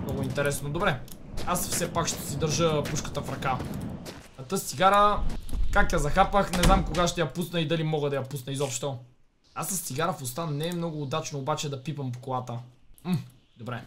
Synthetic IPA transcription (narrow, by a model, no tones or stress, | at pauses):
mnɔɡʊint̪ɛɾɛsnod̪obɾɛ | asfsɛpakʃt̪ɛ̥sid̪əɾʒəpuʃkə̥t̪əfɾɐka | ɐt̪əsiɡaɾəkakjazɐxapəxnɛznamkoɡaʃt̪ɛjapusnəid̪ɐlimɔɡəd̪ɐjapusnəizɔpʃt̪o | asəst̪iɡaɾəfost̪anɛːmnɔɡʊːd̪at͡ʃnoːbat͡ʃɛd̪ɐpipɐmpo̥kolˠat̪əm̩d̪obɾɛ